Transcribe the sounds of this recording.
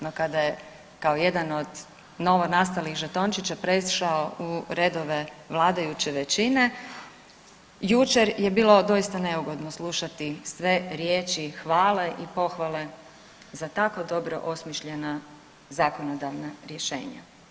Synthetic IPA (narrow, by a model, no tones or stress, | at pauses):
no̞kad̪aje | kaoje̞d̪ano̞d̪ | no̞ʋonast̪alixʒet̪o̞nt͡ʃit͡ɕapɾesʃaouɾe̞d̪o̞ʋe̞ʋlˠaːd̪ajut͡ɕeʋet͡ɕine̞ | jut͡ʃe̞ɾje̞biːlˠo̞d̪o̞ist̪ane̞uɡo̞d̪no̞slˠuʃat̪isʋe̞ɾje̞ːt͡ʃixʋaːle̞ʔipo̞xʋale̞ | zat̪ako̞d̪o̞bɾo̞̰ʔo̞smiʃʎe̞na | zaːkonod̪aʋnaɾje̞ʃe̞̰ːɲa̰